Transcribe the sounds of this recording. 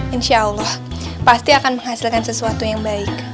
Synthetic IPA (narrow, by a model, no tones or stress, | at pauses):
ʔinʃaʔəlːɑh | past̪iakanməŋhasilkansəsuat̪ujaŋbaɪk̚